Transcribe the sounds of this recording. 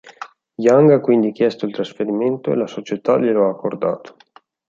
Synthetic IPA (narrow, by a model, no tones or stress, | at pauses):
jaŋɡakːwind̪ik̟jɛst̪oilt̪ɾasfeɾiment̪oḛlasot͡ʃet̪a̰ʎiloaːkːord̪a̰ːt̪o̥